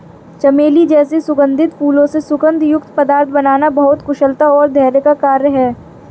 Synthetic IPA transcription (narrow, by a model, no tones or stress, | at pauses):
t͡ʃɐmeːlid͡ʒɛːsesʊɡə̃nd̪ʱɪt̪fuːlõsesʊɡə̃nd̪ʱjʊk̚t̪pɐd̪aːɾt̪̚ʰbɐnaːnabɐɦʊt̪kʊʃəlt̪aɔːɾd̪ʱɛːɾjəkakaːɾjəɦɛː